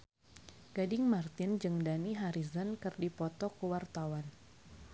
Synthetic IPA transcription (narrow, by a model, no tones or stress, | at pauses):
ɡ̥adɪŋmart̪ɪnd͡ʒɨŋdaniɦaɾizankɨrdipɔt̪ɔkəwart̪awan